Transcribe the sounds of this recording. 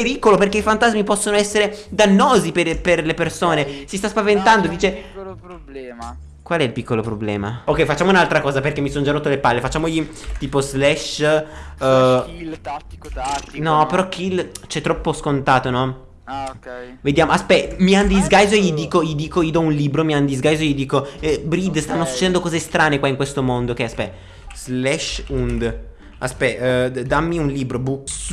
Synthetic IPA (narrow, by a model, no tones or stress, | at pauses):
peɾiːkoloperkeifant̪azmipɔsːonoɛsːeɾed̪anːoːzipeperlepersoːnesist̪aspavent̪and̪od̪iːt͡ʃe | kwalɛilpikːolopɾoblɛ̰ːma̰okːɛjfat͡ʃːaːmounalt̪ɾakɔːzaperkemːisond͡ʒaɾot̪ːolepalːefat͡ʃːaːmoʎit̪iːpozlɛʃ | nɔpeɾɔkʰilt͡ʃɛt̪ːɾɔpːoskont̪aːt̪onɔ | ved̪jaːmoaspɛmiand̪izɡajzoejid̪iːkojid̪iːkojiod̪ɔunliːbɾomiand̪izɡajzoejid̪iːkoɛbɾid̪st̪anːosu̥t͡ʃːed̪ɛnd̪okɔːzest̪ɾaːnekwaiŋkwest̪omond̪okeaspɛ | z̥lɛʃund̪ | aspɛd̪amːiunliːbɾobu